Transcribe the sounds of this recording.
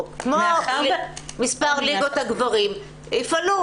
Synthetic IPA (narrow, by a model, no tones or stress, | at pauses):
kmo | mispaʁliɡot̪haɡvaʁim | ifanu